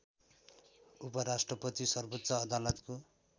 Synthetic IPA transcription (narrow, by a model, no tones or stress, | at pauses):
upʌɾasʈrʌpʌt̪isʌrbʌt̪ːsʌːd̪alʌt̪ko